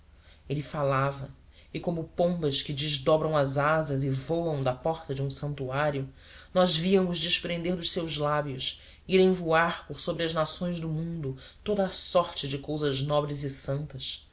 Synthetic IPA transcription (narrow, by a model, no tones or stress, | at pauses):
elɪfalavɐ | ɪkõmʊpõmbɐskɪd͡ʒɪʒd̪ɔbɾɐ̃w̃ɐzazɐzɪvowɐ̃w̃d̪ɐpɔχt̪ɐd͡ʒɪũsɐ̃nt̪uaɾjʊ | nɔzviɐmʊʒd͡ʒɪʃpɾẽnd̪eɾd̪ʊʃsewzlabjʊʃ | iɾẽvuaɾpʊɾsobɾiɐʒnasõj̃zd̪ʊmũnd̪ʊ | t̪od̪ɐːsɔɾt͡ʃɪd͡ʒɪkowzɐʒnɔbɾɪzɪsɐ̃nt̪ɐs